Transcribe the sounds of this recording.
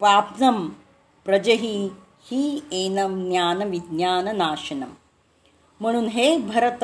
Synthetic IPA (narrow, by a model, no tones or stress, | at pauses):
paːpnɐm | pɾɐd͡ʒɐɦi | hieːnɐmnjaːnɐʋid̪njaːnɐnaːʃɐnɐm | m̤ɐɽ̃uːnɦeːbʱɐɾɐt̪